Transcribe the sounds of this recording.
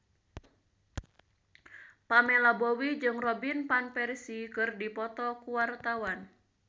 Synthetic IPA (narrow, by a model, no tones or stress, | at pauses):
pamɛlabowid͡ʒɨŋrɔbinpanpɛrsikɨrdipɔt̪ɔkuwart̪awan